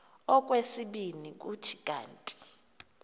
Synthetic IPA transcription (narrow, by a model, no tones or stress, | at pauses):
ɔk̬ʼwesiɓinik̬ʼutʰi̥kʼaːntʼi̥